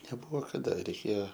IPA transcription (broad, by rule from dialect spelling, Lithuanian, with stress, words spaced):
nʲɛˈbʊʋoː kɐˈdɐ rʲɛɪˈkʲeːjoː